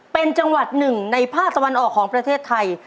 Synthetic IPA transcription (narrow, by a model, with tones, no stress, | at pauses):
pe˧nt͡ɕa˧ŋwa˨˩t̪̚nɯ˨˩ŋna˧jpʰaː˥˩k̚t̪a˧wa˧nʔɔː˨˩kʰːɔː˩˦ŋpɾa˧t̪ʰeː˥˩t̪ʰːa˧j